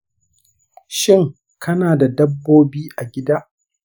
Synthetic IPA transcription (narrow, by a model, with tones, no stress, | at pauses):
ʃɪ˦˨ŋ | kʰɐ˦naː˨da˨dɐ˦bːoː˦biː˦ʔa˨ɡʲɪ˦daː˦